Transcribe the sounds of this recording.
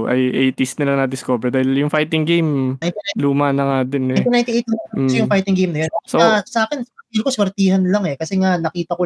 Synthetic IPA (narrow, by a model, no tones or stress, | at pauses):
ʔɐ̰jʔɛjt̪ist̪̚nɪlaŋnɐd̪ɪskoːbɛɾd̪aːhɪljʊŋfajt̪ɪŋɡejmnajnt̪iluːmanɐŋad̪ɪnɛjt̪inajnt̪ɪʔejt̪̚sojʊŋfajt̪ɪŋɡejmnɐjonsoasɐʔaːkɛnsɐilkoswɐɾt̪iːhɐnlɐŋɛkɐsɛŋanɐkiːt̪ɐko